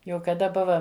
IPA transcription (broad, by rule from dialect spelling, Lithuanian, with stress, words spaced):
ˈjɛʊ kɐˈdɐ ˈbʊʋɐ